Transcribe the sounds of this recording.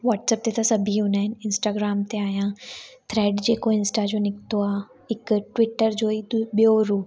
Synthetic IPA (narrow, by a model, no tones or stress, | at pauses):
ʋaːʈsəp̚t̪et̪ʰasɐbʱiunɛnɪnsʈaːɡɾaːmt̪eaːjãːt̪ʰɾɛːɖd͡ʒeːkoɪnsʈad͡ʒonɪkt̪oaː | ɪkʈʋɪʈːəɾd͡ʒoːit̪bjoɾuː